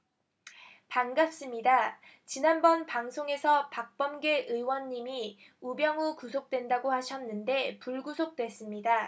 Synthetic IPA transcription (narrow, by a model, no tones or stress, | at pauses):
paŋɡap̚s͈ɯmɲida | t͡ɕinanbʌnpaŋsʰoŋe̞sʰʌpak̚p͈ʌmɡe̞ʔɯjwʌɲːimi | ubjʌŋukusʰok̚t͈we̞ndaɡohaɕʰʌnːɯnde̞puɭɡusʰok̚t͈wes͈ɯmɲida